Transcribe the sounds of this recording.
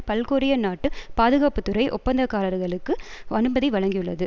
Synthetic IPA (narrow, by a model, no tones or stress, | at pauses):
pɐlkoːɾɪjɐnaːʈːɯpaːðɯɣaːpɯt̪ːʊɾɐɪʔɔ̰pːɐnd̪ɐkːaːɾɐɾɣɐɭɯkːɯɐnɯbɐðiʋɐɭɐŋɡijɯɭːɐðɯ